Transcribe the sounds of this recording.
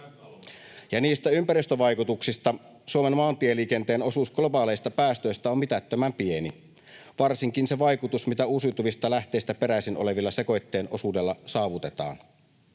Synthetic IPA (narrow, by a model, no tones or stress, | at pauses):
jɑniːst̪æympæɾist̪øʋɑjkut̪uksist̪ɑ | suomenmɑːnt̪ieliːkent̪e̞ːno̞suːsɡ̥lo̞bɑːleist̪ɑpæːst̪øjst̪æommit̪æt̪ːømæmpieni | ʋɑrsiŋkinseʋɑjkut̪usmit̪æusut̪uʋist̪ɑlæht̪eist̪æpeɾæsinʔole̞ʋilːɑseko̞jt̪ːe̞ːnʔosuːdelːɑsɑːʋut̪et̪ɑ̰ːn